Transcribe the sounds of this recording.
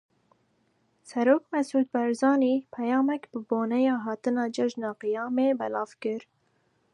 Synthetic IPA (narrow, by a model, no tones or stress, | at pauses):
sɛɾoːk̚mɛsʔuːd̪̚bɛɾzɑːniːpʰɛjɑːmɛkb̥ɨboːnɛjɑːɦɑːt̪ɨnɑːd͡ʒɛʒnɑːqɨjɑːmeːbɛlɑːv̥kɨɾ